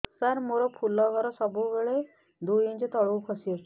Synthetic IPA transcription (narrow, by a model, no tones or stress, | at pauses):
saɾmoɾɔpʰulɔɡʱɔɾɔsɔbuʋeɭe | d̪ujĩɲt͡ɕet̪ɔɭuwkʰɔsiɔs